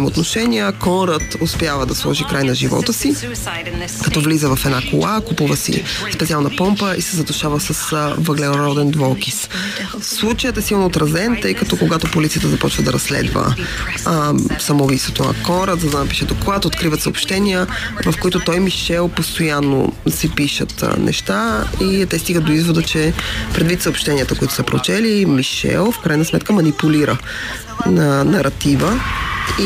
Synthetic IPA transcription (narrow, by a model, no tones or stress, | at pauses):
ɛmot̪noʃɛniəkɔnɾət̪ʊspʲjavəd̪ɐslˠɔ̰ʒikɾajnɐʒivɔ̰t̪əsi | kɐt̪ɔvlizəvɐfɛd̪nakolˠakupuvəsḭspɛt̪sialˠnɐpɔmpəʔisɛzɐt̪ʊʃavəsəsvəɡlɛɾɔd̪ɛnd̪vɔlˠkis | slˠut͡ʃəjət̪ɛsilˠnoːt̪ɾɐzɛnt̪ɤjkɐt̪ɔkoɡat̪opolit̪siət̪əzɐpɔt͡ʃvəd̪ɐɾɐsːlɛ̰d̪və̰ | sɐmovist̪vot̪onɐ̰kɔɾəzɐd̪anɐpi̥ʃɛd̪okoɡˠat̪ot̪̚kɾivət̪səopʃt̪ɛniə | vɐfkoit̪ʊt̪ɔjmiʃɛlˠpost̪ojanːo̰sɛpiʃə̰t̪nʔɛ̰ʃt̪ait̪ɛst̪iɡət̪ːoizvod̪ət͡ʃɛpɾɛd̪vit̪səopʃt̪ɛniət̪əkoit̪ʊ̥səpɾo̰t͡ʃɛlimiʃɛ̰lˠfkɾajnəsmɛt̪̚kəmɐnipuliɾə | ənɐɾɐt̪ivə